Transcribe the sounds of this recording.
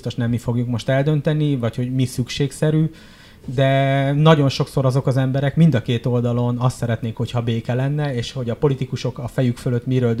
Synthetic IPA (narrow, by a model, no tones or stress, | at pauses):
st̪oʃnɛmːifo̞ɡjukmo̞ʃt̪ɛld̪ø̞nt̪ɛnivɒcho̞ɟmisykʃeːksɛɾyː | d̪ɛnɒɟo̞nʃo̞kso̞ɾɒzo̞kɒzɛmbɛɾɛkmind̪ɒkeːt̪o̞ld̪ɒlo̞nɒst̪sɛɾɛt̪neːŋkho̞cʰhɒbeːkɛlɛnːɛeːʃho̞ɟɒpo̞lit̪ikuʃo̞kɒfɛjykføløt̪ːmiɾøːld̪